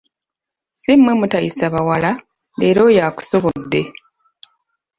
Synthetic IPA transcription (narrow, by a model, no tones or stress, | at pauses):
simːwe̞mutajisaβawala | le̞ːɾo̞jaːku̥so̞βo̞dːe̞